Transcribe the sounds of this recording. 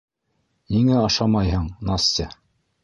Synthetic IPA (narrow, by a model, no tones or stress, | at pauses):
niŋæɑʃɑmɑjɦɤɴnɑst̪ʲɘ